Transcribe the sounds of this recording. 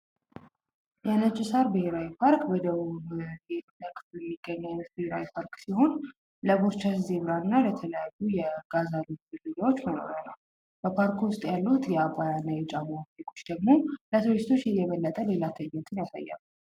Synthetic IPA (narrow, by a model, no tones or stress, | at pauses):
jɛnət͡ʃʼːɪsaɾbɨheɾawipʰaɾkbəd̪əβuβɡet̪nəkʼt̪jɛmːiɡ̥ːəɲːant̪̚bɨheɾawipʰaɾksiho̞n | ləboɾt͡ʃʰaszeβɾaɨnːalət̪ʰələjajːujɛɡ̥azaliɡɨlːɨɡawot͡ʃːməno̞̰ɾənə̰w | bəpʰaɾkwʊst̪ʼjalːut̪jɛakʷʼajanːajɛt͡ʃʼamafekʰʼo̞t͡ʃːd̪əɡmo̞lət̪ʰist̪ʰo̞t͡ʃːjɛjɛβəlːət̪ʼəle̞lat̪ʰəɲːɛt̪ʰɨnjasa̰jːa̰mu